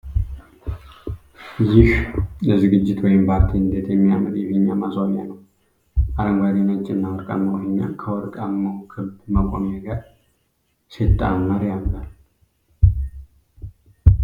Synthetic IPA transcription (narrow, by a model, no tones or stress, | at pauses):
jɪhləzɨɡɨd͡ʒːɪt̪ʰwɔjɪmpʰaɾt̪ʰiɨnd̪et̪ʰjɛmːijamɨd̪jɛhiɲːamasamjanəw | ʔaɾəŋɡad̪inat͡ʃʼːɪnːawɔɾkʼa̰mːəwhɲːa̰kʰəwɔɾkʼamːəwkʰɨlbmakʼomjɛɡəɾ | sit̪ʼːa̰mːəɾjalːal